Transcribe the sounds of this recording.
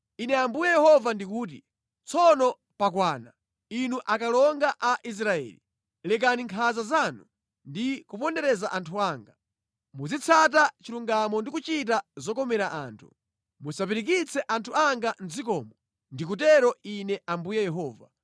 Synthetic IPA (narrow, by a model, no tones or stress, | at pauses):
inɛambujɛjɛhɔvandikuːt̬ḭ | t͡sʰɔnɔ | pakwaːna | inuʔakalɔŋɡaʔaʔis̬ɾaɛ̰ːlḭ | lɛkaniŋkʰazazanu | ndikupɔndɛɾɛzaʔantʰuaːŋɡa | mud͡zit͡sʰat̬at͡ʃiluŋɡamɔndikut͡ʃitazɔkɔmɛɾaʔa̰ːntʰu̥̰ | musap̬iɾik̬it͡sʰɛʔantʰuaŋɡan̩d͡zik̬ɔ̰ːmɔ | ndik̬utɛɾɔinɛʔambujɛjɛɦɔːva̰